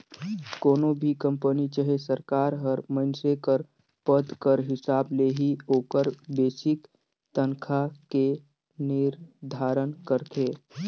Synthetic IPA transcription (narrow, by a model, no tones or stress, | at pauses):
koːnobʱikə̃mpənit͡ʃəɦesəɾkaːɾɦəɾmənsekəɾ | pəd̪kəɾɦɪsaːbleɦioːkəɾbeːsɪk | t̪ənkʰake | nɪɾd̪ʱaːɾənkəɾt̪ʰeː